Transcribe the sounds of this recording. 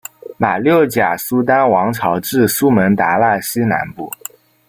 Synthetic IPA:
ma˨˩ljo˥˩ʊt͡ɕja˨˩su˥t̪̬a˥nwɑ˧˥ŋʈ͡ʂʰɑ˧˥ʊʈ͡ʂɻ̩˥˧su˥mə˧˥nt̪a˧˥la˥˩ɕi˥na̰˧˥npu˥˩

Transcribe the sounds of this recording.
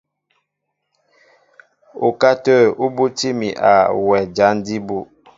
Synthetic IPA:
ṵ˨ka˦tə˦˨u˦bu˦ti˦mi˨ʔa̰˨wɛ˨d͡ʒa˨˦n˦di˦bu˦

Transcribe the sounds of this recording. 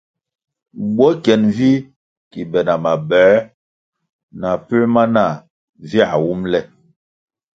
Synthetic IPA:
ɡ͡bɔ˦kɛ˨nvi˦ | ki˨bɛ˨na˨ma˨bɛː˨˦ | na˨pi˦lma˦na˦˨ | vi˦a˨wu˦mlɛ˦

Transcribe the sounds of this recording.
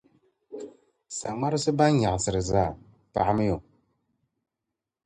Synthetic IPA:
sa˨ma˦ɾɨ˦sɨ˦ba˦n˦ɲa˨sɨ˨ɾɨ˨zaː˦˨ | pa˨ʔmɨ˦jo˨

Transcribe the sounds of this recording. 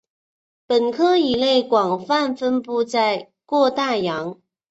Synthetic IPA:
pə˨˩nkʰɤ˥i˨˩le˥˩ɪkwɑ˨˩ŋfa˥˩nfə˥npu˥˧t͡sa˥˧ɪ | kwɔ˥˧t̪a˥˩jɑ˧˥ŋ

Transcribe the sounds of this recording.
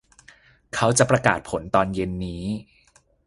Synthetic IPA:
kʰa˦˥wt͡ɕa˨ʔpɾa˧kaː˨˩t̪̚pʰo˩˦nt̪ɔː˧nje˧nːiː˦˥

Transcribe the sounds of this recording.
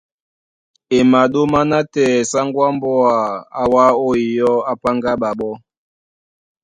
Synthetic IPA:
e˨ma˨ɗo˦ma˦na˦tɛ˨sa˦ŋɡwa˦mbɔ˦a˨a˨wa˦o˦i˨jɔ˦a˦pa˦ŋɡa˦ɓa˨ɓɔ˦

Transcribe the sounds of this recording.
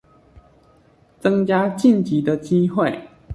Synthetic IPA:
t͡sɤ˦ŋt͡ɕja˥t͡ɕi˥˨nt͡ɕi˨˦d̪ə˧t͡ɕi˦xwe˥˨ɪ

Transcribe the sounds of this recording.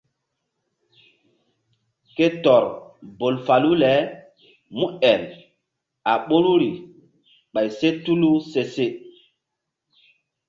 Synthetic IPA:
ke˦tɔ˨ɾbo˨lfa˨lu˦lɛ˨˦ | mu˦ɛ˨l | a˨ɓo˦ɾu˦ɾi˨ | ɓa˨jse˦tu˦lu˦se˦se˦

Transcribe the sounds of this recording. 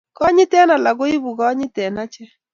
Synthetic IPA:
kɔ˦ɲɪ˦tɛ˦na˨la˨ɡo˦i˦bu˨ɣɔ˦ɲɪ˦tɛ˨na˦t͡ʃɛ˦

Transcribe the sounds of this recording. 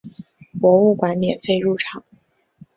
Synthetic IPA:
pwɔ˧˥u˥˩kwa˧˥nmjɛ̰˨˩nfe˥˧ɪɻu˥˩ʈ͡ʂʰɑ˨˩˦ŋ

